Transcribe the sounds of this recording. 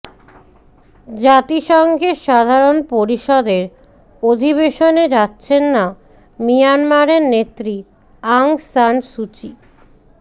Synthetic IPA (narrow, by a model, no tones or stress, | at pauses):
d͡ʑat̪iʃɔŋɡʱeʃad̪ʱaɾonpoɾiʃɔd̪eɾ | od̪ʱiβeʃoned͡ʑatːɕʰenːa | mijanmaɾeɾnet̪ːɾi | aŋsanʃut͡ɕi